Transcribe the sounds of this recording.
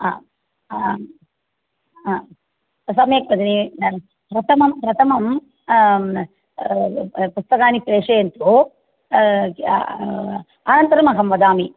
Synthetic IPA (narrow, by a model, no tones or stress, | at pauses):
aː | sɐmjeːk̚pɐd̪ini | pɾɐt̪ʰɐmɐmpɾɐt̪ɐmɐm | pust̪ɐkaːnipɾeːʂejent̪u | anɐnt̪ɐɾɐmɐɦɐmʋɐd̪aːmi